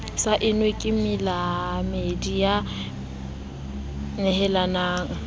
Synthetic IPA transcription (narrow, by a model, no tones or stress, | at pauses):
saʔɪnwekʼɪmɪlamedija | nɛhɛlanaːŋ̩